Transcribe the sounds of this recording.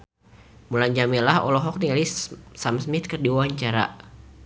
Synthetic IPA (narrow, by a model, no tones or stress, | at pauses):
mulaɲd͡ʒamilahɔ̰lɔɦɔk̚nilissamsmit̪̚kərdiwawaɲt͡ʃaɾa̰